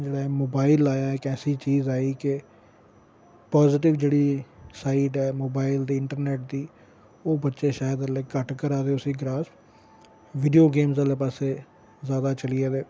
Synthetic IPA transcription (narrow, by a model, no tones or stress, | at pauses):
d͡ʒeːɽaːɛmoːbaːɪlaːjaːɛːkɛːsiːt͡ʃiːzaːiːkɪ | paːzɪʈ̬ɪʋd͡ʒeːɽiːsaːiːʈɛːmoːbaːɪld̪iːɪɳʈəɾneːʈ̚d̪iː | oːbətːʃeːʃaːjəd̪əleːkəʈkəɾaːd̪eʊsĩːɡɾaːs | ʋɪɖijoːɡeːmzaleːpaːseː | zaːd̪aːt͡ʃəlɪeːd̪eː